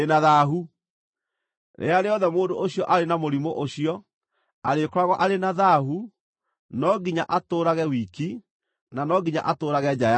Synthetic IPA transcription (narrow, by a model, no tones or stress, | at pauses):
enaðaɦu | ɾʔḛaɾeɔðɛmoːndoʔoɕiɔʔaɾenamoɾimoʔoɕiɔ | aɾekɾaɣɔʔaɾenaðaɦu | nɔɡiɲa̰ʔatoːɾaɣɛwiːki | nanɔɡiɲa̰ʔatoːɾaɣɛɲaja